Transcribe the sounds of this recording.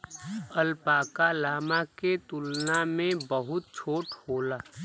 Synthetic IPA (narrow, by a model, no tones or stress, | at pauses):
əlpaːkalaːmaket̪ʊlnamẽbəɦʊt̪̚t͡ʃʰoːʈhoːlaː